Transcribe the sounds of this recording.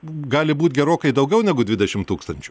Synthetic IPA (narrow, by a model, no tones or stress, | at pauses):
ɡɑːlʲɪbuːt̪ʲɡʲɛɾoːkɐɪd̪ɐʊɡʲɛʊnʲæːɡʊd̪ʲʋʲɪd̪ʲɛʃʲɪmt̪uːkst̪ɐnʲt͡ʃʲʊ̥